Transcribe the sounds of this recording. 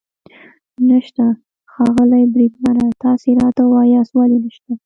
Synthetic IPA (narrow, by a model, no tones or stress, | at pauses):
naʃt̪a | xɑɣəlajbɾid̪maɾat̪ɑsiɾɑt̪awɑjɑswɑlinaʃt̪a